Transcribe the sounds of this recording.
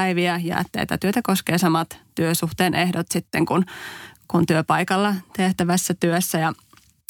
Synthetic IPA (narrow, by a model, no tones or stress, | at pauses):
iʋiæjæ̰ːt̪ːḛt̪ːæ̰t̪yøt̪ækoskeːsɑmɑt̪t̪yøsuht̪eːnʔehdot̪sit̪ːeŋkunkunt̪yøpɑjkɑlːɑt̪eht̪æʋæsːæt̪yøsːæjɑ